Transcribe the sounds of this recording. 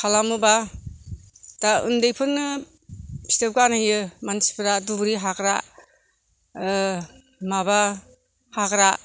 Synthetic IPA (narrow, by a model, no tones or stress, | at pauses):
kʰalamɯba | d̥aɯ̰ndejpʰɯnːɯ | pʰi̥tep̚kanajɯmansi̥pɾadubɾiɦakɾa̰ | maba | hakɾa